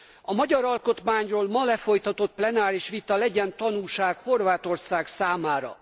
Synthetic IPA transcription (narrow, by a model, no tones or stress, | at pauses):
ɒmɒɟɒɾɒlko̞t̪maːɲroːlmɒlɛfo̞jt̪ɒt̪o̞t̪̚plɛnaːɾiʃʋit̪ɒlɛɟɛnt̪ɒnuːʃaːkho̞rvaːt̪o̞rsaːksaːmaːɾɒ̰